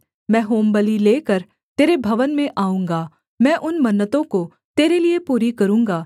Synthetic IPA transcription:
mɛ̃ːɦoːmbəlileːkəɾ | t̪eːɾebʱɐʋənmẽʔaːũːŋɡaː | mɛ̃ːʔʊnmɐnːət̪õko | t̪eːɾeliepuːɾikɐɾũːŋɡaː

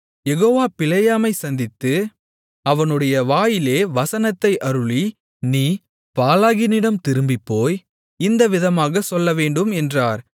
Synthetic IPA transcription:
jɛɣoːʋaːpɪlɐjaːmɐɪsɐnd̪ɪt̪ːɯ | ɐʋɐnɯɽɐjɐʋaːjɪleːʋɐsɐnɐt̪ːɐɪʔɐɾɯɭi | niː | paːlaːɣɪnɪɽɐmt̪ɪɾɯmbɪpːoːj | ɪnd̪ɐʋɪðɐmaːɣɐsɔlːɐʋeːɳɖɯmɛndraːɾ

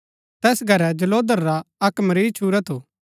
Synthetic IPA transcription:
t̪ɛːsɡʱɐɾɛd͡ʒɐloːd̪əɾːaɐkmɐɾiːt͡ʃʰuːɾɛt̪ʰoː

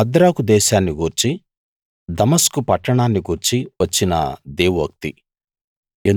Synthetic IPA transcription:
ɐd̪ɾaːkud̪ɛːʃaːnːiɡuːɾt͡ʃi | d̪ɐmɐskupɐʈːɐɳaːnːiɡuːɾt͡ʃiʋɐt͡ʃːinɐ̰d̪eːʋuɐk̚t̪i | en

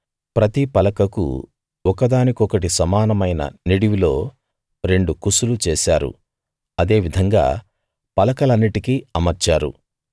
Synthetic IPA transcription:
pɾɐt̪ipɐlɐkɐkṵ | ɔkɐd̪aːnikɔkɐʈisɐmaːnɐmɐjnɐ̰niɽiʋilo̞̰ː | ɾe̞ɳɖukusulut͡ʃeːsaːɾṵ | ɐd̪e̞ːʋid̪ʱɐŋɡa̰ː | pɐlɐkɐlɐnːiʈikiɐmɐɾt͡ʃaːɾṵ

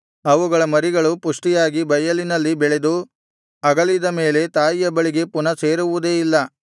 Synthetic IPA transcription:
ɐʋuɡɐɭɐmɐɾiɡɐɭupuʂʈijaːɡibɐjɐlinɐlːibɛɭe̞d̪u | ɐɡɐlid̪ɐme̞ːle̞t̪aːjijɐbɐɭiɡe̞punɐse̞ːɾuʋud̪eːilːɐ

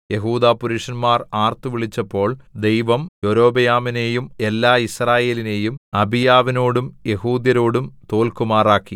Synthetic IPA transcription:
je̞ɦuːd̪aːpuɾuʂɐnmaːraːrt̪uʋiɭit͡ɕːɐpːo̞ːɭd̪e̞jʋɐmjo̞ɾo̞ːbɐjaːmine̞ːjume̞lːaːisraːje̞ːline̞ːjumɐbijaːʋinoːɽumje̞ɦuːd̪jɐɾo̞ːɽumt̪o̞ːlkumaːraːkːi

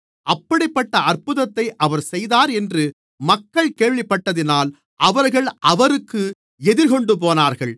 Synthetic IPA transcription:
ʔɐpːɐɽɪpːɐʈːɐɐrpɯðɐt̪ːɐɪʔɐʋɐɾsɛjðaːɾɛndrɯ | mɐkːɐɭkeːɻʋɪpːɐʈːɐðɪnaːl | ʔɐʋɐɾɣɐɭʔɐʋɐɾɯkːɯ | ɛðɪɾkɔɳɖɯp̬oːnaːɾɣɐɭ

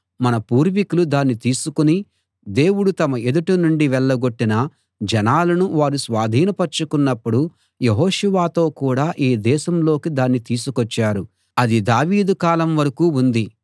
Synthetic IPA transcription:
mɐnɐpuːɾʋikulud̪aːnːit̪iːsukuni | d̪e̞ːwuɽut̪ɐmɐe̞d̪uʈunuɳɖiʋɛɭːɐɡo̞ʈːinɐ | d͡ʒɛnaːlɐnuʋaːɾusʋaːd̪ʱiːnɐpɐɾt͡ʃːukunːɐpːuɽu | jeɦoːʃuʋaːt̪o̞ːkuːɽaːʔiːd̪ɛːʃɐmlo̞ːkid̪aːnːit̪iːsukɔt͡ʃːaːɾu | ɐd̪id̪aːʋiːd̪ukaːlɐmʋɐɾɐkuːund̪i

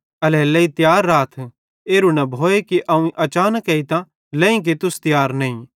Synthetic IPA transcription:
ɐlɛlɐit̪jaːɾːaːt̪ʰ | eːɾunɐbʱoːekiʔɐũiʔɐt͡ʃaːnəkɐit̪ã | lɛ̃ĩk̬et̪ʊst̪jaːɾnɐːĩ

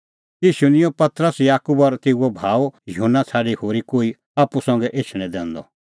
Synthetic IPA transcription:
jiːʃunɪ̃õpɐt̪ɾəsjaːkubɔɾt̪eːuɔbʱaːwjʊɦunːat͡sʰaːɽihoːɾikoːi | aːpusɔ̃ŋɡɛʔet͡ʃʰɽ̃ɛ̃d̪ɛ̃ːnd̪ɔ̰

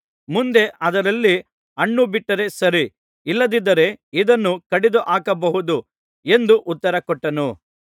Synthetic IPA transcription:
mund̪e̞ʔɐd̪ɐɾɐlːi | ɐɳːubiʈːɐɾe̞sɐɾiː | lːɐd̪id̪ɐɾe̞id̪ɐnːukɐɽid̪uʔaːkɐbɐɦud̪u | e̞nd̪uʔut̪ːɐɾɐkɔʈːɐnu

